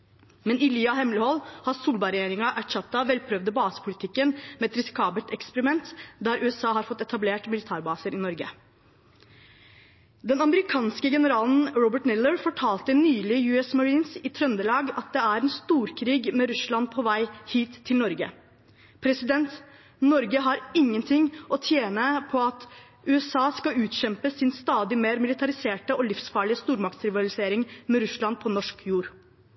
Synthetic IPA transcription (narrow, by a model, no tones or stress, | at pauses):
mɛnɪlyːɑhɛmləhɔlhɑsuːlbɑɾɛjeːɾɪŋɑʔæʈʃɑt̪ːɑʋɛlpʰɾœʋd̪əbɑːsə̥pʰʊlɪt̪ʰɪkːənmɛɛt̪ɾɪsɪ̥kʰɑːbəlt̪ɛkspəɾɪmɛnt̪d̪æːɾʔʉːɛsɑːɦɑɾfɔt̪ːɛt̪ɑbleːʈmɪlɪt̪ʰæːɾbɑːsəɾɪnɔɾɡə̰ | d̪ɛnɑməɾɪkʰɑːnskəɡɛnəɾɑːln̩ɾɔbəʈnɪləɹfɔʈʰɑːlt̪ənyːlɪjʉːɛsmɑɹiːnsɪt̪ʰɾœnd̪əlɑːɡɑt̪̚d̪ɛæɾɛnst̪uːɾkʰɾiːɡmɛɾʉslɑnpʰɔʋæɪhiːt̪ʰːɪlnɔɾɡə̰ | pʰɾɛsɪd̪ɛnt̪ | nɔɾɡəɦɑɾɪŋːənt̪ʰɪŋːʔɔt̪ʰjeːnəpʰɔɑt̪ | ʉːɛsɑːskɑʉːt̪ɕɛmpəsɪnst̪ɑːd̪ɪmeːɾmɪlɪt̪ʰɑɾɪseːʈəɔlɪfsfɑːɭɪəst̪uːɾmɑk̚t̪sɾɪʋɑlɪseːɾɪŋmɛɾʉslɑnpʰɔnɔʂkjuːɾ